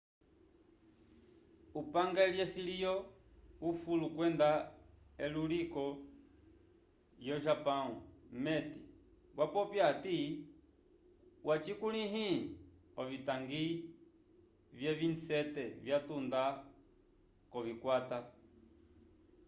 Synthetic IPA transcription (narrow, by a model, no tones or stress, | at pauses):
upaŋɡaljɛsilijɔ | ufulukwɛndaɛlulikɔ | jɔʒapaumɛti | βwapɔpjati | wat͡ʃikuliɦi | ɔvitaŋɡi | vjɛvinsɛtɛvjatunda | kɔvikwata